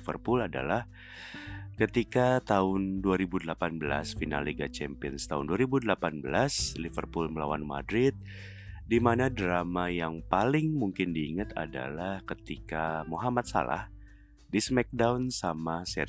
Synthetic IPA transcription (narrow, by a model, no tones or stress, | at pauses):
və̰rpulada̰lah | kət̪ikat̪aʊnduaɾibudəlapanbəla̰sfina̰lːiɡat͡ʃɛmpiɔnst̪aʊnduaɾibudəlapanbəlaslivərpulməlawanma̰dɾɪt̪̚ | dimanadɾamajaŋpalɪŋmuŋkɪndiːŋɨt̪ʰa̰da̰lahkət̪ikamoɦamat̪̚sa̰la̰h | dismɛk̚daunsamasɛ